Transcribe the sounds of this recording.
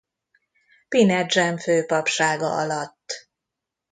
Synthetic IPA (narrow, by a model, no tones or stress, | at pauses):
pinɛd͡ʒɛɱføːpɒpʃaːɡɒ̰ʔɒlɒt̪ː